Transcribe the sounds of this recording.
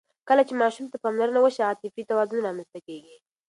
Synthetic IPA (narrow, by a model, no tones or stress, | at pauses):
kəlat͡ʃemɑʃumt̪apɑmlaɾənawəʃiɑt̪ɪfit̪awɑzunɾɑmənst̪akeɡi